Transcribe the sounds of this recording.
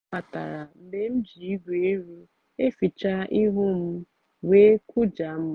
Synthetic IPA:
a˨ta̰˨ɾa˨m̩˨me˦m̩˦d͡ʒi˨i˦ɡʷe˨˦i˦ɾu˦ | e˦fi˨t͡ʃa˦i˦ɦʊ˦m̩˦ | we˦ku˦d͡ʒa˨m̩˦

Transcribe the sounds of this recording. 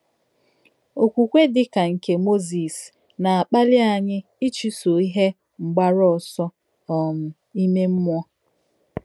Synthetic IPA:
o˨kʷu˨kʷe˦dɪ˦ka˨ŋ̩˨ke˨mo˦zi˨s | na˨a˨k͡pa˦lɪ˦a˨ɲɪ˦ | ɪ˦t͡ʃi˦so˨i˦ɦe˦ | ŋ͡m̩˨ɡ͡ba˦ɾɔ˦ɔ˨sɔ˦ | ɔ˨m̩˨ | i˦me˦m̩˦mʷ˦ɔ˦

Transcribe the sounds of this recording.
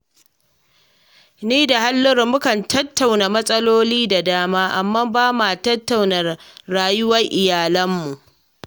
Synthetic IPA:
niː˦da˨ha˦lːʊ˦rmʊ˦kɐ˨ntɐ˦tːa˨wnaː˨mɐ˦sʼɐ˦loː˦liː˦da˨daː˦maː˦ʔa˨mːaː˦baː˦ma˨tɐ˦tːa˨wnɐ˨ɾaː˨jʊ˦wɐ˦ŋʔɪ˨jaː˨lɐ˦mːu˨ʔ

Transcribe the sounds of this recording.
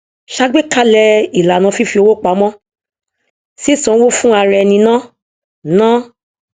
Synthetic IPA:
ʃa˦ɡ͡be˦ka˦lɛ˧i˨la˨nã˨˧fi˦fi˧o˧wo˦k͡pa˨˦mɔ̃˦ | si˦sɔ̃˧˦wo˦fũ˦a˧ɾɛ˧nĩ˧nã˦ | nã˦

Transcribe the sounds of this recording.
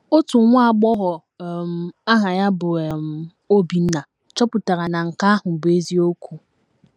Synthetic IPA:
o˦tu˨˦ŋʷa˦a˦˨ɡ͡bɔ˦ɦɔ˨ | m̩˨a˦ɦa˨ja˦bʊ˨m˨ | o˦bi˨n̩˦na˨ | t͡ʃɔ˦pʊ˨ta˨ɾa˨na˨ŋ̩˨ka˦a˦ɦʊ˨bʊ˨e˦zi˦o˦kʷu˨

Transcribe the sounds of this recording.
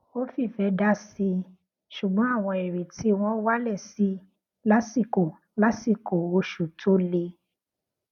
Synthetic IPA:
o˦fi˦˨fɛ˧˦da˦si˧ | ʃu˨ɡ͡bɔ̃˨˦a˦˨w̃ɔ̃˧e˨ɾe˨tʰi˨˦w̃ɔ̃˦wa˦lɛ˦˨si˨˦ | la˦si˦˨ko˨ | la˦si˦˨ko˨o˧ʃu˨tʰo˨˦le˧

